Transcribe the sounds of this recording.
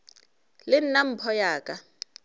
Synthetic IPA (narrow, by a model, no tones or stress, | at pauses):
lɪn̩nam̩pʰɔjaːkʼa